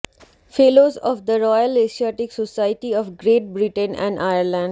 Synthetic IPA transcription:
feːloːzɔːʋd̪əɾɔːjəleːʃiaːʈɪksosaɪʈiɔːʋɡɾeːʈ̚bɾɪʈə̃nɛ̰̃ːɳɖʔaɪəɾlɛ̃ɳɖ

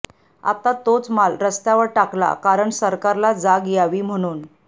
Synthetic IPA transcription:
a̰t̪at̪ot͡smalɾəst̪jaʋəɾʈakla̰kaɾəɳsəɾkaɾlad͡zaɡjaʋiːm̤əɽ̃uːn

